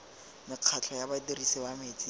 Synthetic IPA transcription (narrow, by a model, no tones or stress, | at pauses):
mɪq͡χʰat͡ɬʰɔjabaterisibameːt͡sʼi